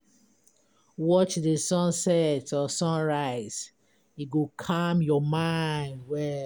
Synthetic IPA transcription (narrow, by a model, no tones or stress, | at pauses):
wɔt͡ʃdəsɔ̃nsɛtʰɔsɔ̃nɹaɪz̥ | iɡokʰamjɔmãɪ̃ndwɛ